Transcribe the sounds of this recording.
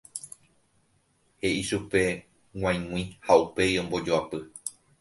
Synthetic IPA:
he̞ʔiʃupe̞ | ŋ̃ʷãj̃mw̃ĩhaupe̞iõ̞mbo̞d͡ʒoapɨ

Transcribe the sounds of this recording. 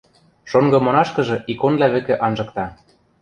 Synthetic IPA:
ʃoŋɡɤ̆monɑʃkɤ̆ʒɤ̆ʔikonlæβɘ̆kɘ̆ʔɑnʒɤ̆kt̪ɑ

